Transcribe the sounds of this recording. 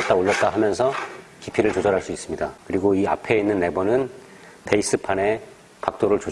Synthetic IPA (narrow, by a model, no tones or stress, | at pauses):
t͈aoʎːʌt̚t͈aɦamjʌnsʰʌkipʰiɾɯɭt͡ɕod͡ʑʌɾɦaɭs͈uis͈ɯmɲidakɯɾiɡoia̰pʰe̞inːɯnːe̞bʌnɯn | te̞is͈ɯpʰane̞ | kak̚t͈oɾɯɭt͡ɕo